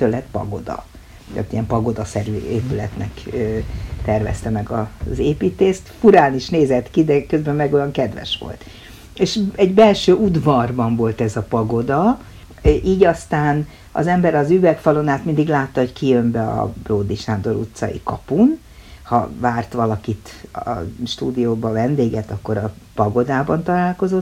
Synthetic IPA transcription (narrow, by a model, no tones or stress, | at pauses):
t̪ølɛt̪pɒ̰ɡo̞̰d̪ɒ̰ | ta̰t̪ːijɛmpɒɡo̞d̪ɒsɛɾyːeːpylɛt̪nɛkøt̪ɛrvɛ̰st̪ɛmɛɡɒzeːpiːt̪eːst̪fuɾaːniʃneːzɛt̪kid̪ɛkø̞zbɛmmɛɡo̞jɒŋkɛd̪ʋɛ̰ʃʋo̰lt̪ | eːʃɛɟbɛlʃøːʔud̪vɒrbɒɱvo̞lt̪ɛzɒpɒɡo̞d̪ɒ | ʔiːɟɒst̪aːn | ɒ̰zɛmbɛɾɒzyvɛkfɒlo̞naːt̪mind̪iɡlaːt̪ːɒho̞ckijømbɛɒ̰broːd̪iʃaːnd̪oɾṵt̪sɒ̰jḭkɒ̰pun | hɒ̰vaːrt̪ʋɒlɒkit̪ɒ̰ʃt̪uːd̪ijoːbɒvɛnd̪eːɡɛt̪ɒkːo̞ɾɒ | pɒɡo̞d̪aːbɒnt̪ɒlaːlko̞zo̞t̪ː